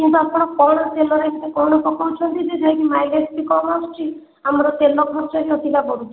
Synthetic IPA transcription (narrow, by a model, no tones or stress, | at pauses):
kint̪uapɔɽ̃ɔkɔɽ̃ɔt̪elɔɾajt̪ʰikekɔwɳ̃ɔpɔkawt͡ʃʰɔnt̪id͡ʒed͡ʒʱajk̪imajlespikɔmɔst͡ʃʰi | amɔɾɔt̪elɔkʰɔɾt͡ʃɔɾiɔt̪ikabɔɽut͡ʃʰ